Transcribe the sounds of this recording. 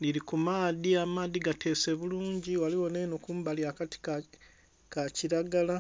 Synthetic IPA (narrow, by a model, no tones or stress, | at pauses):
liɾikumaːðiamaːðiɡate̞ːse̞βuluːɲɟiwaliwoneːnokuːmbaliakati̥k | kaciɾaɡala